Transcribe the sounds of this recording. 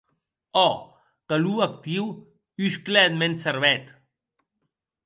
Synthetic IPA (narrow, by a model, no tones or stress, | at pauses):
ɔ | kəluək̚t̪iw | ysklɛt̪̚mensəɾβɛt̪